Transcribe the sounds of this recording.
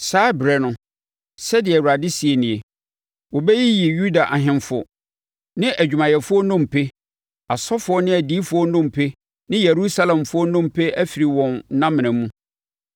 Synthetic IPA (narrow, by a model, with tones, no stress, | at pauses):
saː˨˦bɾɛ˦nʊ̃˦ | sɛ˦dɪ˨ɛ˨wa˨dɪ˦si˨e˨nɪ̃˨e˨ | wɔ˨bɛ˦ji˦ji˨ju˦da˨ʔa˨ɦɪ̃˦nfʊ̰˦ | nɪ̃˦ʔæ˨d͡ʑᶣu˨mã˨jɛ˨fʊ˦ɔ˦nʊ̃˦˨m˨pʰe˦ | a˨sɔ˦fʊ˨ɔ˦nɪ̃˦æ˨diː˦fʊ˨ɔ˦nʊ̃˦m˨pʰe˦ | nɪ̃˦je˨ɾu˦sa˦lɛ̃˨mfʊ˦ɔ˦nʊ̃˦m˨pʰe˦ʔæ˦fi˨ɾi˨wɔ̃˨n˦nã˦mɪ̃˨nã˨mũ˦